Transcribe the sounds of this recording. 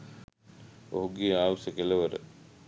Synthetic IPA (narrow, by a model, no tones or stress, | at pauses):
oɦuɡeːaːʋusəkeləʋəɾə̰